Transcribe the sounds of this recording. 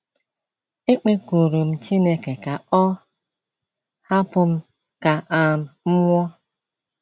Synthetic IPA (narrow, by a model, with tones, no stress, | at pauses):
e˦k͡pe˦ko˨ɾu˨m̩˦t͡ʃi˦ne˦ke˨ka˨ɔ˦ | ha˦pʊ˨m̩˦ | ka˨a˨m̩˨m̩˦ŋʷɔ˦